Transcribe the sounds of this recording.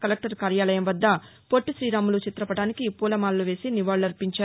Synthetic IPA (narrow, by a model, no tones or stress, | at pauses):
kɐlɐk̚ʈɐɾkaːɾjaːlɐjɐmʋɐd̪ːɐ | poʈːuʃɾiːɾaːmulut͡ʃit̪ɾɐpɐʈaːnikipuːlɐmaːlluʋe̞ːsiniʋaːɭuɐɾpiɲt͡ʃaːɾ